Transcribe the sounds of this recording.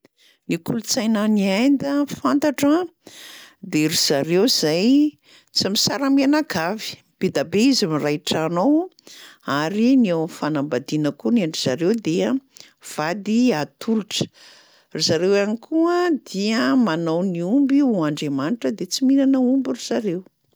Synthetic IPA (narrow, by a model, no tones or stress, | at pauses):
nikulut͡sajnaniajnd̪əfant̪aʈ͡ʂə | d̪eɾiz̥aɾewz̥aj | t͡simisaɾamianaɡavi̥ | b̥ed̪abeizamirajʈ͡ʂanow | aɾiniawfanambad̪inəkuniaɳɖ͡ʐiz̥aɾewd̪eə | v̥ad̪iat̪ʰuluʈ͡ʂə̥ | rizaɾewanikʰuəd̪̥iəmanowniumbiuaɳɖ͡ʐemaniʈ͡ʂəd̪et͡simiɾanəumbiriz̥aɾew